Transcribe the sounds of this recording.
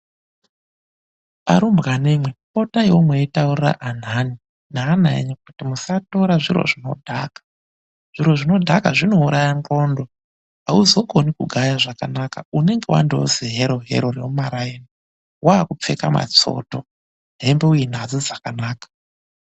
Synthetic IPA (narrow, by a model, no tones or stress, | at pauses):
a̰ɾumbɣanemwe̞po̞tajwomweitaurira̰ʔan̤ani | naːnaḛɲak̚utimusato̞ɾaʐiɾo̰ʐino̞̰dʱaːkḁ | ʐ̥iɾo̞ʐino̞dʱakaʐino̞uɾajaŋro̞ːndo̞ | auzo̞ɡo̞nikuɡʱajaʐakanakaune̞ŋɡe̞wa̰ndeoziɦeɾo̞ɦḛɾo̞reumaɾajena | waːkup͡fe̞kama̰t͡so̞̰to̞ | ɦe̞mbeujin̤ad͡zid͡zakanaːkḁ